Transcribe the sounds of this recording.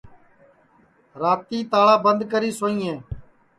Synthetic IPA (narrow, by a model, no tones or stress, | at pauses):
ɾaːt̪iːt̪aːɭaːbənd̪kəɾiːsoːĩːẽː